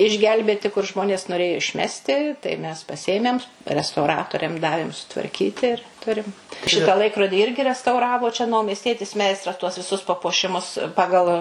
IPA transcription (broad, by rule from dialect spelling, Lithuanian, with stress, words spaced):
ɪʒʲˈɡʲɛlʲbʲeːtʲɪ kʊr ˈʒmoːnʲeːs noːˈrʲeːjoː ɪʃʲˈmʲæːsʲtʲɪ tɐɪ mʲɛs pɐˈsʲiɛmʲɛm rʲɛstɐʊˈrɑːtoːrʲɛm ˈdɑːʋʲeːm sʊtʋɐrʲˈkʲiːtʲɪ ɪr ˈtʊrʲɪm ˈʃʲɪtɑː ˈlˠɐɪkroːdʲiː ˈɪrʲɡʲɪ rʲɛstɐʊˈrɑːʋoː t͡ʃʲɛ nɐʊmʲiɛsʲˈtʲiɛtʲɪs ˈmʲɛɪstrɐs tuɔs ʋʲɪˈsʊs pɐpuɔˈʃʲɪmʊs ˈpɑːɡɐlˠ